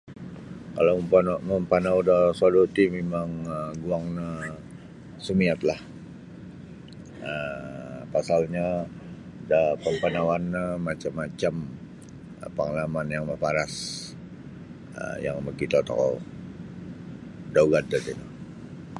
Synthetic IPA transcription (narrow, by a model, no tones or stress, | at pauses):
kalaməmpanawudasadot̪imemaŋəɡuaŋna | səmiat̪lah | ə | pasalɲa | dapəmpanawanːamat͡ʃamːat͡ʃam | paŋlamanjaŋməpaɾas | ə̰ja̰ŋməkit̪at̪ɔ̰kɔ̰ | dauɡad̪ad̪it̪u